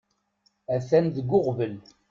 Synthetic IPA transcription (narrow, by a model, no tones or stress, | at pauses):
æθænðəɡːʊʁvəl